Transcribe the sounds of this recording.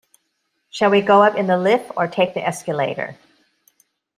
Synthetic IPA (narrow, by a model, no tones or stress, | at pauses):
ʃəlˠwiɡoʊʌpɨ̃nðəlɪfə˞tʰeɪk̚ðiʔɛskəleɪɾə̰˞